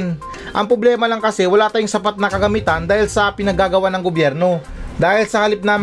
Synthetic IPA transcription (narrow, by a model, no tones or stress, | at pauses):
n | ʔɐŋpɾoblɛːmɐlɐŋkɐsɛwɐlaːt̪aːjʊŋsɐpat̪̚nɐkɐɡɐmit̪ɐnd̪aːhɪlsɐpɪnɐɡaːɡɐwanɐŋɡobjɛɾno̞ | d̪aːhɪlsɐhɐlɪp̚nɐm